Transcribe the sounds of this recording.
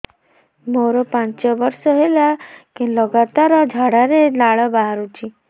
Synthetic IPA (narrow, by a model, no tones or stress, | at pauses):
moɾɔpãɲt͡ɕɔʋəɾsɔɦelakinlɔɡat̪aɾɔd͡ʑʱaɽaɾenaɭɔbaɦaɾut͡ɕi